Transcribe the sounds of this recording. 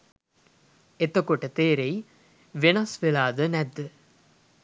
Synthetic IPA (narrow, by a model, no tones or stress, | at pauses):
et̪ɐkuʈɐt̪eːɾei | ʋenɐsʋelaːd̪ənæd̪ːə